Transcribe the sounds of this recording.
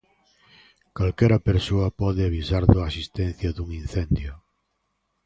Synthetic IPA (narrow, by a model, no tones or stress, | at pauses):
kalkɛɾɐpeɾsoɐpɔðɪaβisaɾðoasist̪ɛn̟θjɐðuŋin̟θɛnd̪jʊ